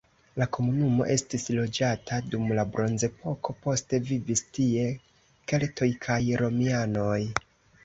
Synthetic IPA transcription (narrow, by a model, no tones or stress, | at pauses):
lako̞munumo̞̰ʔe̞stislo̞d͡ʒatʰadumlabɾo̞nze̞pʰo̞ko̞po̞ste̞vivistie̞ | ke̞lto̞jkʰajɾo̞miano̞j